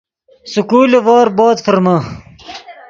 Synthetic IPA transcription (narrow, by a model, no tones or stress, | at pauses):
sukuːleʋoːɾboːt̪fəɾmɐ